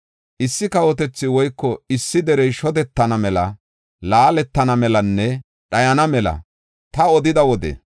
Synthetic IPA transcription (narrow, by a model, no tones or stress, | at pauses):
ʔɪsːɪkɐwɔt̪ɛt͡sːɪwɔjkːɔɪsːɪd̪ɛɾɛjʃɔd̪ɛt̪ːɐnɐmɛlɐ | laːlɛt̪ːɐnɐmɛlɐnːɛ | ɗɐjɐnɐmɛlɐ̰ | t̪ɐɔd̪ɪd̪ɐwɔd̪ɛ̰